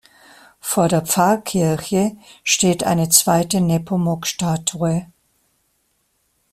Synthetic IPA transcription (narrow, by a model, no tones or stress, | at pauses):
foːɐdeːɐp͡faɐkʰɪɐçəʃteːtʔa̰ɪnət͡sv̥aɪtənɛpʰomɔkʃtaːtʰuə